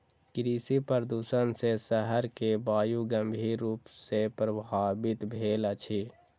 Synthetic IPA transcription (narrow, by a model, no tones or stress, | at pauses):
kɾiːsipəɾd̪uːsənsesəɦəɾkebaːjuɡəmbʱiːɾːuːpsepɾəbʱaːbɪt̪bʱeːlət͡ʃʰi